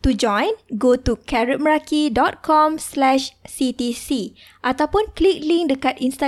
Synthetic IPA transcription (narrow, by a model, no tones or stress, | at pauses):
t̪ud͡ʒɔ̃jnɡot̪ukɛɹət̚məɹakidɔt̪̚kʰɔmslɛʃsit̪isi | ʔat̪awpʊnklik̚liŋdəkat̪inst̪a